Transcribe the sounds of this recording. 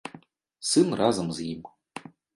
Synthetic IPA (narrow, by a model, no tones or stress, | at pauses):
sɨmrazamziːm